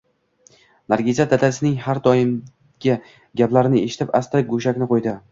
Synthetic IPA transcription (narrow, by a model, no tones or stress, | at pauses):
naɾɡʲizat̪at̪ʰasɪnɪŋhaɾd̪ɒɪm | ɡʲɪ | ɡʲaplaɾɪnɪeʃɪ̥t̪ʰɪpast̪ɾɪɡoʃakʲnɪqʰojd̪ɪ